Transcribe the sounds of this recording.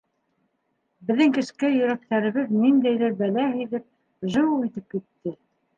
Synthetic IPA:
bɘ̆ðːɘŋkɘ̆ʃkæjɵ̆ɾæk̚t̪æɾɘ̆βɘðnind̪æjlɘɾbælæhiðɘp̚ | ʒɤ̆wit̪ɘp̚kit̪ːɘ

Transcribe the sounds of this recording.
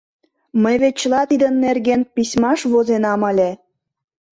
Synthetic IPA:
məjβet̪̚t͡ɕːəlɑt̪id̪ənːerɣenpisʲmɑʃβozenɑməlʲe

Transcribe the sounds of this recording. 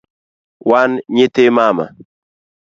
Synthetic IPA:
wanɲet̪emama̰

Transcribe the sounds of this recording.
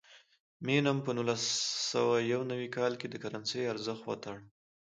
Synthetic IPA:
menampənulasa̰wajawnawikɑlked̪əkaɾansejaɾzəxt̪wa̰t̪aɽ

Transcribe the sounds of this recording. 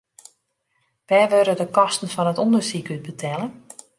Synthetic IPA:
ʋɛːʋøɾədəkɔstən̩fɔnətondərsikyt̚bətʰɛlˠən

